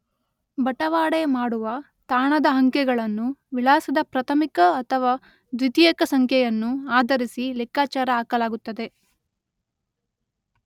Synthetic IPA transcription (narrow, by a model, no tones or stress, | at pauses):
bɐʈɐʋaːɽemaːɽuʋɐ | t̪aːɳɐd̪ɐɦɐŋkɛɡɐɭɐnːuʋilaːsɐd̪ɐpɾɐt̪ʰɐmikɐːt̪ʰɐʋaː | d̪ʋit̪iːjɐkɐsɐŋkʰjɛjɐnːuaːd̪ɐɾisilɛkːaːt͡ʃaːɾɐaːkɐlaːɡut̪ːɐd̪e̞